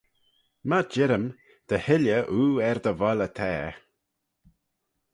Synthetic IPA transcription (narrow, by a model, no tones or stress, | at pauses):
mad͡ʒɪɾəm | d̪̥əhɪləʔuːɛɾd̪əvɔlət̪ʰɛː